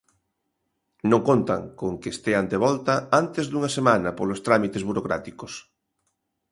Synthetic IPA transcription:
nõŋkont̪ɐ̰ŋkoŋkest̪eand̪eβ̞ɔlt̪ɐant̪ezðuŋɐsemanɐpolost̪ɾamit̪ezβuɾokɾa̰t̪ikos

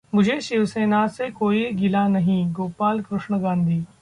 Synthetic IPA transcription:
mʊd͡ʒʱeʃɪʋseːnasekoːiɡɪlanɐɦĩɡoːpaːlkɾʊʃɳ̃əɡãːnd̪ʱiː

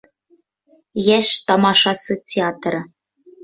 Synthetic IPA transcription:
jæʃt̪ɑmɑʃɑsɨtʲeɑt̪rɤ̆

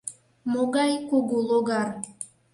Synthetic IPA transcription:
moɣɑjkuɣuloɣɑr

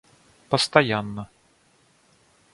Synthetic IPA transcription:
pɐst̪ajanːɐ

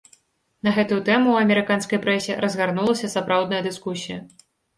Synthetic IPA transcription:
nɐɣɛt̪ujut̪ɛmuɐmʲɛɾɨkanskɐjpɾɛsʲɛɾɐzɣarnulˠɐsʲɐsapɾawd̪nɐjɐd̪ɨskusʲijɐ

